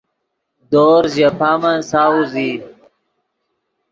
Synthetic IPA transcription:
d̪oːɾʑepamãsauzi

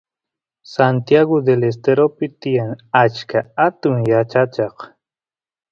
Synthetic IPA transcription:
sant̪jaɣod̪eles̬t̪eɾopɪt̪ɪjaŋat͡ʃkaat̪ʊŋjat͡ʃat͡ʃɑq

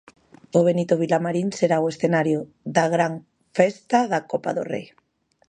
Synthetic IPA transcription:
oβ̞enit̪oβ̞ilamaɾinseɾaoesθenaɾjo | ðaɣ̞ɾaŋ | fest̪aðakopa̰ðo̰rḛj

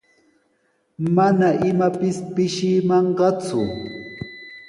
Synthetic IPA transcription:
manaʔɪmapɪspɪʃɪmɑɴɢɑt͡sʊ̰

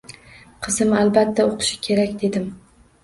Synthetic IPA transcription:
qʰɨzɪmalbat̪ʰːaoqʰɨ̥ʃɪ̥kʲʰe̞ɾakʲd̪e̞d̪ɪm

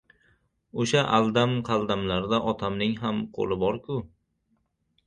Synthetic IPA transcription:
oʃaʔalˠd̪amqʰɑlˠd̪amlaɾd̪aʔɒt̪ʰamnɪŋɦamqʰo̰lˠɪbɒɾkʰʊ

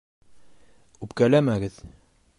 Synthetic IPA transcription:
ʉpkælæmæɡɘð

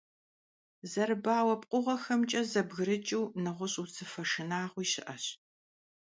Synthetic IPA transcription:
zɐɾɨbaːwɐpʼqʷʼʊʁɐxɐmt͡ʃʼɐzɐbɣɨɾɨt͡ʃʼɪwnɨʁʷʊɕʼut͡sʰɨfɐʂɨnaːʁʷiːɕɪ̰ʔɐɕ

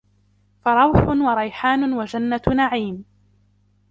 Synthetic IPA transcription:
fɑɾˤɑwħʊnwɑɾˤɑjħaːnʊwad͡ʒanːanaʕiːm

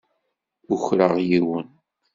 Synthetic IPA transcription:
ʊçɾəʁjiwən

